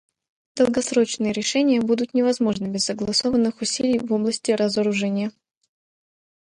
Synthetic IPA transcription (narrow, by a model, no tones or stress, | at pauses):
d̪̥əlˠɡɐsɾo̞t͡ɕnɨjəɾʲɪʂɛnʲɪjəbud̪ʊt̪nʲɪvɐzmo̞ʐnɨbʲɪzːəɡlˠɐso̞vənːɨxʊsʲilʲɪjvo̞blˠəsʲtʲɪɾəzəɾʊʐɛnʲɪjə